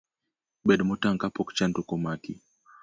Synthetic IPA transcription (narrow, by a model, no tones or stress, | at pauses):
ɓɛɗmɔtaŋkapɔkt͡ʃantɔkɔmakḭ